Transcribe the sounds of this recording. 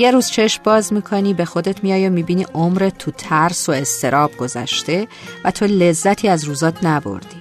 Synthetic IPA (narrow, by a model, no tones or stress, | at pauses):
je̞ɾuːz̥t͡ʃʰe̞ʃmbɒːzmiːkʰo̞niːbe̞xo̞d̪e̞t̪ʰmijɒːjomibiniʔomɾet̪ʰːut̪ʰæɾso̞e̞st̪ʰe̞ɾɒːb̥̚ɡo̞zæ̰ʃt̪e̞ | væt̪ʰo̞le̞zːæt̪ʰiːæzruːzɒːt̪ʰnæbo̞̰ɾd̪̥i̥